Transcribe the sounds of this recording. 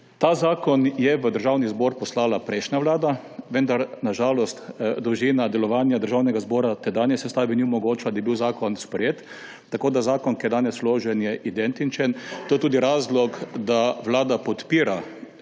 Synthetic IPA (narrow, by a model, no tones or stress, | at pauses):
t̪azaːkɔnjɛʋəd̪əɾʒaːwnizbɔːɾpɔslaːlapɾɛjʃnjaʋlaːd̪a | ʋənd̪aɾnaʒaːlɔst̪d̪ɾuʒiːnad̪ɛlɔʋaːnjad̪əɾʒaːwnɛɡazbɔːɾat̪ɛd̪aːnjɛsɛst̪aːbiniɔmɔɡoːt͡ʃlad̪aibiwzaːkɔnspɾɛjeːt̪ː | akoːd̪azaːkɔnkiɛd̪aːnɛsloːʒɛnjɛʔid̪ɛnt̪int͡ʃɛnt̪oːjɛt̪uːd̪iɾaːzlɔkd̪aʋlaːd̪apɔt̪piːɾa